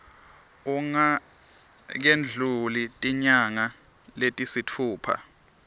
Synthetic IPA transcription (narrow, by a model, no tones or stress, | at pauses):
uŋa | k̬end͡ɮʱulitʼiɲaŋa | letʼisit͡fʰuːpʰa̰